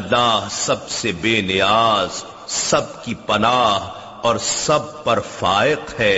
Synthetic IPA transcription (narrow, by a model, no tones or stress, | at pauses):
ɐlːaːɦsɐbsebeːnɪjaːz | sɐb̚kipɐnaːɦ | ɔːɾsɐb̚pɐɾfaːɪqhɛː